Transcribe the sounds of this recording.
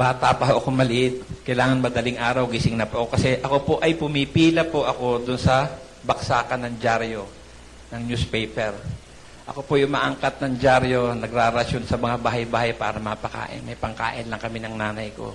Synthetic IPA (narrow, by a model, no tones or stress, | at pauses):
b̥aːt̪apɐɦoʔɐko̞mɐlɪʔɪt̪̚kɐjlaːŋɐnmɐd̪ɐlɪŋʔaːɾɐwɡɪsɪŋnɐpʊʔɐkokɐsɛʔɐko̞poʔɐjpʊmɪpiːlɐpoʔɐko̞d̪ʊnsɐ | bɐksaːkɐnɐŋd͡ʒaɾjo̞ | nɐŋɲuspɛjpɛɾ | ʔɐ̰ko̞pojʊŋma̰ːʔɐŋkat̪̚nɐŋd͡ʒaɾjo̞nɐɡɾaɾɐʃjonsɐmɐŋabaːɦɐjbaːhajpa̰ːɾɐmɐpɐka̰ːʔɪ̰nmɐjpɐŋka̰ːʔɪnlɐŋkɐmɪnɐŋnaːnɐjko̞̰